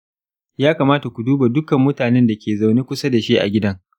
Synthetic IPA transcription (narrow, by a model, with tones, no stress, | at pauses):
jaː˦kaː˨maː˦ta˨kʷu˨duː˦ba˨dʊ˦kɐ˨mːʊ˦taː˨nɛ˦nda˨kʲeː˨za˨wniː˦kʷʊ˦sa˦da˨ʃeː˦ʔa̰˨ɡʲɪ˦dɐ˦ŋ